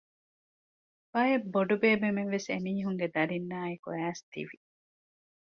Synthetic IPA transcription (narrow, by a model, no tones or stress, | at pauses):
bɐebːoɖubeːbemeŋʋeseniːɦuŋɡed̪ɐɾinːaːekuæːst̪ḭʋi